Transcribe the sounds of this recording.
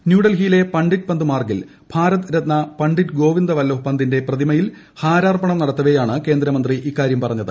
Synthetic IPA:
njuːɽɐlɦijle̞pɐɳɖit̚pɐnd̪ɨmaːrɡil | b̥ʱaːɾɐt̪ɨɾɐt̪̚nɐpɐɳɖitɡo̞ːʋind̪ɐʋɐlːɐɦupɐnd̪inde̞prɐðimɐjil | haːɾaːrpɐɳɐmnɐɽɐt̪ːɐʋɐjaːɳɨke̞ːnd̪ɾɐmɐnd̪riʔikːaːɾjɐmpɐrɐɲːɐðɨ̰

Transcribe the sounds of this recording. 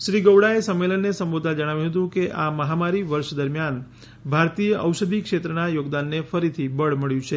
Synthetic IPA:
ʃɾiɡəʋɽaesəmːelənːesəmbod̪ʱad͡ʒəɽ̃aʋjũɦət̪ũkeʔaməɦamaɾiʋəɾʃd̪əɾmjan | bʱaɾt̪ijəʔəwʃəd̪ʱikʃet̪ɾənajoɡd̪anːefəɾit̪ʰibəɭməɭjũt͡ʃʰe

